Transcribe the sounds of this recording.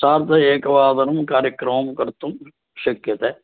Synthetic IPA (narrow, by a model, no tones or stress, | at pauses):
saːɾt̪ɐeːkɐʋaːd̪ɐnumkaːɾjəkɾɐmmkɐɾt̪um | ʃɐkjɐt̪ɛː